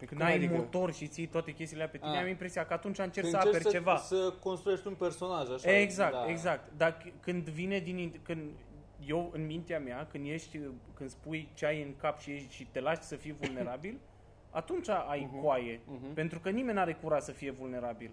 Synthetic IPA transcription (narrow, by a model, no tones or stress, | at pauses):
kɨnajjmo̞t̪o̞rʃit̪sijt̪wat̪e̞kʲe̞st̪ileape̞t̪ineamimpɾe̞sijakəat̪unt͡ʃaɨnt͡ʃe̞ɾksəappeɾt͡ʃe̞vasəkonst̪ɾujeʃt̪unperso̞naʒaʃaeɡzakt̪eɡzak̚t̪d̪akɨnd̪vined̪ininkɨnd̪ | je̞wɨnmint̪eameakɨnd̪je̞ʃt̪ʲkɨnd̪spujt͡ʃeajɨŋkapʃije̞ʃt̪ʲʃit̪e̞laʃt̪ʲsəfijvulne̞ɾabil | a̰t̪unt͡ʃaʔajkoaje̞pe̞nt̪ɾukənimenʲaɾe̞kuɾat̪səfije̞vulne̞ɾabil